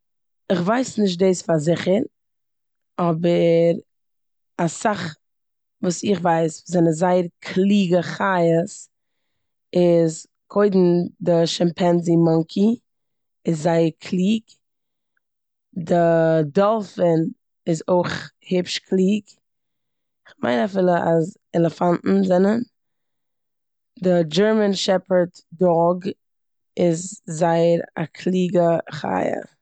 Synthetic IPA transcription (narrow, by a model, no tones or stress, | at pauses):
ɪχvaɪsnɪʃ̬t̚deɪsfazɪχəɾ | ɔbəɾ | asaχ | vuːsɪχvaɪsvzɛnəzaɪəɾkʰlˠiːɡəχajəs | ɪz | kʰoɪdn̩dɪʃɛmpʰɛnzimɔŋkʰi | ɪszaɪəɾkʰlˠiːk | dɪdɔlˠfɪn | ɪzoɪχhɪpʃkʰlˠiːɡ | ɪχma̰ɪnafiːlˠəʔaz | ɛlˠəfanʔn̩zɛnən | dɪd͡ʒɛɹmənʃɛpə˞tdɔɡ | ɪzːaɪəɾa̰kʰlˠiːɡəχa̰ɪə̰